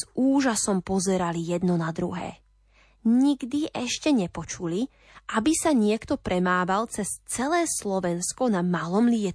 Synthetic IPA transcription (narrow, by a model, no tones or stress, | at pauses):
zuːʒasɔmpɔzɛɾalijɛd̪nɔnad̪ɾṵɦɛ̰ː | ɲiɡd̪iʔɛʃcɛɲɛpɔt͡ʃuli | ʔabisaɲɪɛkt̪ɔpɾɛmaːʋalt͡sɛst͡sɛlɛːslɔʋɛnskɔnamalɔmliɛ